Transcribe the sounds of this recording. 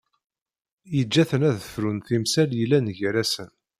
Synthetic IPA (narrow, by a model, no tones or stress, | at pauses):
jəd͡ʒːæθənæðəfɾunθimsæljəlːænʝɾæsən